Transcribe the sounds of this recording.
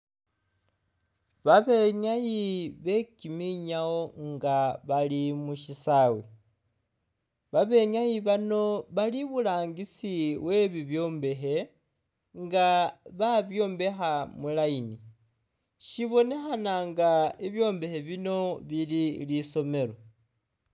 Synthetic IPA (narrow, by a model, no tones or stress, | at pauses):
βaβe̞ɲajiβe̞kimiɲao̞ŋɡaβalimuʃisawi | βaβe̞ɲajiβano̞βaliβulaːŋɡisiwe̞βiβjo̞ːmbe̞ɦe̞ | ŋɡaβaβjo̞ːmbe̞xamulaini | ʃiβo̞ne̞xanaŋɡaiβjo̞ːmbe̞he̞βino̞βililiso̞me̞lo̞